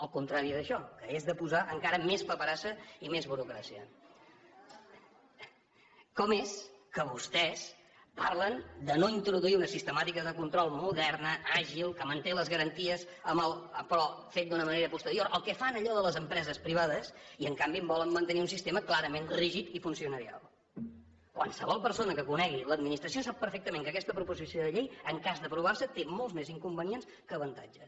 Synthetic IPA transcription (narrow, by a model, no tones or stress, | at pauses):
əlˠkunt̪ɾaɾiðəʃɔkəezðəpuzaʔəŋkaɾəmespəpəɾasəimezβuɾukɾasiə | kɔmeskəβust̪ɛs | parlənd̪ənoint̪ɾuðuiunəsist̪əmat̪ikəzðəkunt̪ɾɔlˠmuðɛrnəʔaʒilˠkəmənt̪eləzɣəɾənt̪iəs | əməlˠpɾɔfet̪̚d̪unəməneɾəpust̪əɾioɾʔəlˠkɛfanəʎɔðələzəmpɾɛzəspɾiβ̞aðəsiəŋkambiəmbɔləmːənt̪əniunsist̪eməklaɾəmenriʒit̪ifunsiunəɾia̰lˠ | kwa̰lˠsəβɔlˠpəɾsonəkəkunɛɣiləd̪̚minist̪ɾəs̬iosap̚ːəɾfɛk̚t̪əmẽŋkəkɛst̪əpɾupuzisioðəʎejəŋkazðəpɾuβ̞arsət̪emolˠzmeziŋkumbəniens | kəːβənt̪a̰d͡ʒə